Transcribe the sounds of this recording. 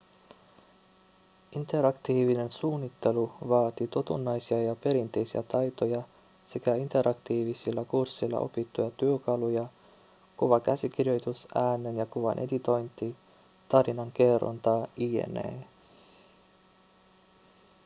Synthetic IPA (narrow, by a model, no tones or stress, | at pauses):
ʔint̪e̞ɾɑkt̪iːʋine̞nsuːnːit̪ːe̞luʋɑːt̪it̪ot̪unːɑjsiɑjɑpe̞ɾint̪e̞jsiæt̪ɑjt̪o̞jɑ | se̞kæint̪e̞ɾʔɑkt̪iːʋisilːækursːilːɑ̰ʔo̞̰pit̪ːujɑt̪yøkɑlujɑ | koʋɑkæsik̟irjo̞jt̪usæːnːe̞njɑkuʋɑ̰nʔe̞d̪it̪o̞jnt̪ːi | t̪ɑɾinɑŋk̟e̞ro̰nt̪ɑie̞̰nḛː